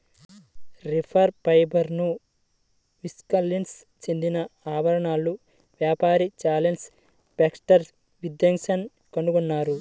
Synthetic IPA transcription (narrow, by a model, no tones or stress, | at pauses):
ɾipʰɐɾpɐjbʱɐɾnu | ʋiskɐlːins | t͡ʃend̪inɐaːʋɐɾɐɳaːlːu | ʋjaːpaːɾit͡ʃaːlens | paːksʈɐɾ | ʋid̪jɐŋʃɐn | kɐɳuɡunːaːɾu